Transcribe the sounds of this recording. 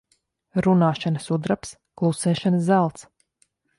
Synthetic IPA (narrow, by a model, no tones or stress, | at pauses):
ɾunaːʃanəsud̪ɾaps | klˠusɛːʃanəszælˠt̪s